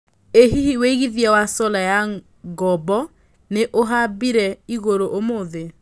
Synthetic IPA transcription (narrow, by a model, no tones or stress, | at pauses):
eɦihiweiɣiðjawasɔlaja | ɡɔbɔ | neʔoɦabiɾɛiɣoɾoʔomoðe